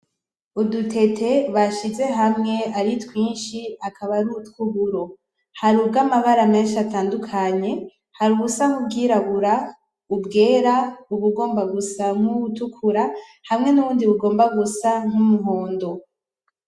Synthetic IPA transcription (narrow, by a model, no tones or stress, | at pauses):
udutʰe̞tʰe̞βaʃize̞ɦamŋe̞aɾitwiːnʃiakʰaβaɾutkuβuɾo̞ | haɾubɡamaβaɾame̞ːnʃiataːndukʰaɲe̞ | haɾuβusaŋub̚ɡiːɾaβuɾa | ubɡe̞ːɾauβuɡo̞ːmbaɡusaŋ̥uutukʰuɾahamŋe̞nuβuːndiβuɡo̞ːmbaɡusaŋ̥umuɦo̞ːndo̞